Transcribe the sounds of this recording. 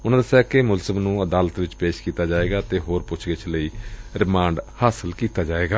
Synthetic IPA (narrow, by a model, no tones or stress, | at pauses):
ʊnãːd̪əsjaːkɪmʊlzəmnũːəd̪aːlət̪ʋɪt͡ʃpeːʃkiːt̪aːd͡ʒaːeːɡaːt̪eːɦoːɾpʊt͡ʃʰɡɪt͡ʃʰləiːɾɪmãːɳɖhaːsəlkiːt̪aːd͡ʒaːeːɡaː